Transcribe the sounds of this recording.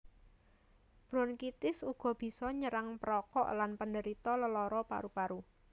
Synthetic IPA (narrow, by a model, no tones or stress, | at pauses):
b̥ɾɔnkit̪ɪsuɡ̥ɔ̤b̥i̤sɔɲəɾaŋpəɾɔkɔ̰ʔlanpəndəɾit̪ɔləlɔɾɔpa̰ɾupaɾu